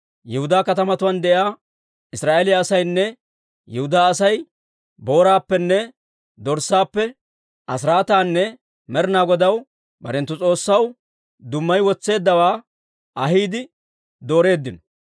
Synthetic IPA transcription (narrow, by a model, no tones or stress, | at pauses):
jɛhʊd̪aːkɐt̪ɐmɐt̪ʊwɐnd̪ɛʔjaː | ɪsɾaːʔelɪjaːsɐjnːɛ | jɛhʊd̪aːsɐj | bo̞ːɾaːpːɛnːɛ | d̪ɔɾsaːpːɛ | ʔɐs̬ɾaːt̪aːnːɛ | mɛɾɪnaːɡɔd̪ɐw | bɐ̰ɾɛnt̪ːʊt͡sʼo̞ːsːɐw | d̪ʊmːɐjwɔt͡sːe̞ːd̪ːɐwaː | ɐɦiːd̪ɪ | d̪o̞ːɾe̞ːd̪ːɪnɔ